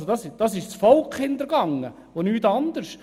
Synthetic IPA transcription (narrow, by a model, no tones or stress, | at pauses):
sodɑsɪd̥ɑsɪʃt͡sfɔlkʰhɪnd̪əɾɡ̥ɑŋːə | onyːt̪ɑnd̪əɾʃ